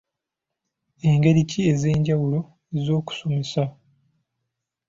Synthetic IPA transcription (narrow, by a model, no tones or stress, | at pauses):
e̞ŋɡe̞ɾicie̞ze̞ːɲɟawulo̞ | ezo̞ːku̥so̞mesa